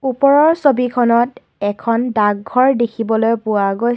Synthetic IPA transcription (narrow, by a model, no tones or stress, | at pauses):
upɔɹɔɹsobikʰɔnɔt | ɛkʰɔndaɡ̚ɡʱɔɹdekʰibɔlojpʊwaɡoj